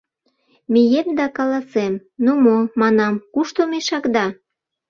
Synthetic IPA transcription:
mijemd̪ɑkɑlɑsemnomomɑnɑmkuʃt̪omeʃɑkd̪ɑ

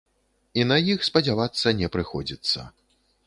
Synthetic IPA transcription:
inɐjixspɐd͡zʲavat̪sːɐnʲɛpɾɨxɔd͡zʲit̪sːɐ̰

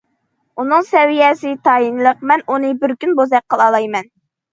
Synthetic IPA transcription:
unɨŋsɛvijɛsɪt̪ʰɑinlˠəqmɛnunɨbɪɾkʲynbozɛk̚qːəlˠɑlˠɑjmɛn

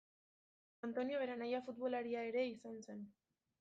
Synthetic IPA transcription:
ant̪o̞nio̞βe̞ɾanajafut̪βo̞laɾiaeɾe̞isanse̞n

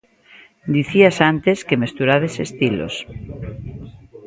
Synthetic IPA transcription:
d̪iθiasant̪eskemest̪uɾaðesest̪ilo̰s

